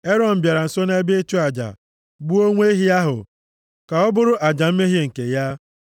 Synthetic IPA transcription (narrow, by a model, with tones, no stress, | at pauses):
e˦ɾɔ˨n̩˨bja˨ɾa˨n̩˨so˦ne˦be˦e˦t͡ʃu˦a˨d͡ʒa̰˨ | ɡ͡bu˦o˦ŋʷe˦e˦ɦi˦a˦ɦʊ̰˨ | ka˨ɔ˦bʊ˦ɾʊ˦ʔa˨d͡ʒa˨m̩˦me˦ɦje˦ŋ̩˨ke˨ja˦